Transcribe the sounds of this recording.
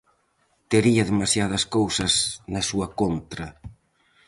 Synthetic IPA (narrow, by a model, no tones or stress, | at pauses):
t̪eɾiɐðemasjað̞ɐskowsɐsnɐsuɐkont̪ɾɐ